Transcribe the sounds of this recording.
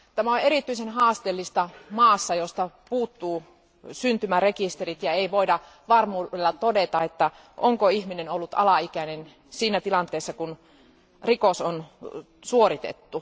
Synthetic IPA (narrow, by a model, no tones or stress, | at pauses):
t̪æmæoneɾit̪ːˑyisenɦɑːst̪elːist̪ɑmɑːsːɑjost̪ɑpuːt̪ːuː | synt̪ymærekist̪erit̪jɑeiʋoidɑ | ʋɑrmuːdelːɑt̪odet̪ɑet̪ːæ | ʔoŋkoihminenolːut̪ɑ̰lɑikænen | siːnæt̪ilɑnt̪eːsːɑkun | rikoson | suorit̪ḛt̪ːu